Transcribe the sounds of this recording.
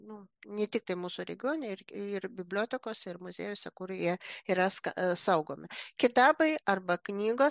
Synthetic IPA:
nʊnʲɛt̪ʲɪk̚t̪ɐɪmuːsʊɾʲɛ̰ɡʲɪoːnʲɛɪrɪrbʲɪbʲlʲoːt̪ʲɛkoːsʲɛɪrmʊzʲḛːjoːsʲɛkʊɾjiɛiːɾɐskɐsɐʊɡoːmʲɪkʲɪt̪ɑːbɐɪɐrbɐknʲiːɡoː

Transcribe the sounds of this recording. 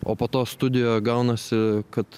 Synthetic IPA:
oːpoːt̪oːst̪ʊd̪ʲɪjoːjɡɐʊnɐsʲɪkɐt̪

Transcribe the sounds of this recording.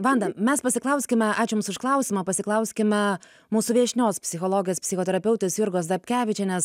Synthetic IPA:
ʋɑnd̪ɐmʲɛspɐsʲɪklˠɐʊsʲkʲɪmʲɛɑːt͡ʃʲʊmsʊʃklˠɐʊsʲɪmɐpɐsʲɪklˠɐʊsʲkʲɪmʲɛ | muːsʊʋʲiɛʃʲnʲoːspʲsʲɪxoːlˠoːɡʲɪjoːspʲsʲɪxoːt̪ʲɛɾɐpʲɛʊt̪ʲesjʊɾɡoːsd̪ɐpʲkʲæːʋʲɪt͡ʃʲɛːnʲɛs

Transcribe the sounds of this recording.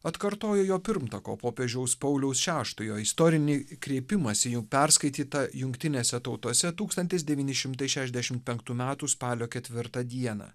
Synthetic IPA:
ɐt̪kɐɾt̪oːjoːjoːpʲɪɾmt̪ɐko̰ːpoːpʲeʒʲɛʊspɐʊlʲɛʊsʃʲæːʃt̪ʊjoːɪst̪ɔːɾʲɪnʲɪkɾʲeːpʲɪmɐsʲɪjʊpʲɛɾskɐɪt̪ʲiːt̪ɐjʊŋʲkt̪ʲɪnʲeːsʲɛt̪ɒʊt̪oɔsʲɛt̪uːkst̪ɐnʲt̪ʲɪs̬d̪ʲɛʋʲiːnʲɪʃʲɪmt̪ɐɪʃʲæːʃʲɛzd̪ʲæʃʲɪmt̪̚pʲɛŋkt̪uːmʲæːt̪uːspɑːlʲoːkʲɛt̪ʲʋʲɪɾt̪ɐd̪ʲiɛnɐ̰

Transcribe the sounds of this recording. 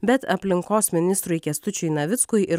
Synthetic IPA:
bʲɛt̪ɐpʲlʲɪŋkoːsmʲɪnʲɪst̪ɾʊɪkʲɛst̪ʊt͡ʃʲʊɪnɐʋʲɪt̪skʊjʔɪɾ

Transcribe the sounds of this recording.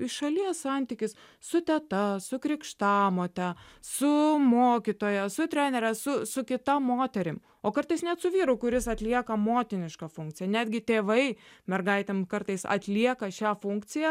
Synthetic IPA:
ɪʃʃɐlʲiɛssɐnʲt̪ʲɪkʲɪs | sʊt̪ʲɛt̪ɐsʊkɾʲɪkʃt̪ɑːmoːt̪ʲɛsʊmoːkʲit̪oːjɛsʊt̪ʲɾʲɛnʲɛɾʲɛsʊsʊkʲɪt̪ɐmːoːt̪ʲɛɾʲɪm | oːkɐɾt̪ɐɪsnʲɛt̪sʊʋʲiːɾʊkʊɾʲɪsɐt̪ʲlʲiɛkɐmoːt̪ʲɪnʲɪʃkɑfʊŋk̚t͡s̪ʲɪjɛnʲæːd̪ʲɡʲɪt̪ʲeːʋɐɪmʲɛrɡɐɪt̪ʲɛmkɐɾt̪ɐɪsɐ̰t̪ʲlʲiɛkɐʃʲæːfʊŋkt͡s̪ʲɪjæ

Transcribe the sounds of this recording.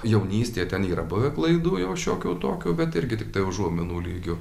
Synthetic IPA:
jɛʊnʲiːsʲt̪ʲeːt̪ʲɛniːɾɐbʊʋʲɛklˠɐɪd̪uːjɛʊʃʲoːkʲuːt̪oːkʲuːbʲɛt̪ɪɾʲɡʲɪt̪ʲɪk̚t̪ɐɪʊʒuɔmʲɪnuːlʲiːɡʲʊ

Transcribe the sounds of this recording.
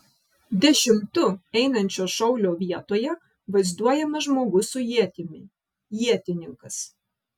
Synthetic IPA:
d̪ʲɛʃʲɪmt̪ʊɛɪnɐnʲt͡ʃʲoːʃɐʊlʲoːʋʲiɛt̪oːjɛ | ʋɐɪzd̪uɔjɛmɐʒmoːɡʊsʊjiɛt̪ʲɪmʲɪ | jiɛt̪ʲɪnʲɪŋkɐs

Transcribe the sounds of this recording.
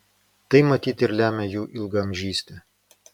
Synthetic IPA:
t̪ɐɪmɐt̪ʲiːt̪ʲɪɾlʲæːmʲɛjuːʔɪlˠɡɐmʲʒʲiːsʲt̪ʲɛ

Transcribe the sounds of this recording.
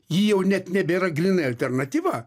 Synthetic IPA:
jiːjɛʊnʲɛt̪nʲɛbʲeɾɐɡɾʲiːnɐɐlʲt̪ʲɛrnɐt̪ʲiːʋɐ

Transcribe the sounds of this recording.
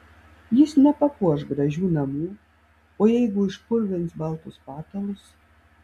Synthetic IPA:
jɪsnʲɛpɐkuɔʃɡɾɐʒʲuːnɐmuː | oːjɛɪɡʊɪʃpʊɾʲʋʲɪnt̪sbɐlˠt̪ʊspɑːt̪ɐlˠʊs

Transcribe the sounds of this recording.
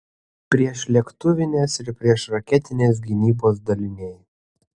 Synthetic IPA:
pʲɾʲiɛʃlʲɛkt̪ʊʋʲɪnʲeːsɪɾpʲɾʲiɛʃɾɐkʲɛt̪ʲɪnʲeːs̬ɡʲɪnʲiːboːsd̪ɐlʲɪnʲeɪ

